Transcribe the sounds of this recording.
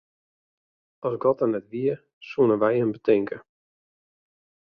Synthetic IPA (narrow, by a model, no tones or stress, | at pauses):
ɔsɡɔtənɛtʋiə | suənəʋɛjəmbətɪŋkʰə